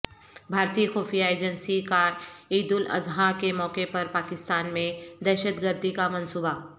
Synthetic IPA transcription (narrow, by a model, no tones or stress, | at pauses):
bʱaːɾt̪iːəxɔːfijaeːd͡ʒənsikaːɾiːd̪ʊlɐ̰zɦakemɔːkepɐɾpaːkɪst̪aːnmẽd̪ɛːʃət̪ɡəɾd̪ʱikamɐ̃nsuːba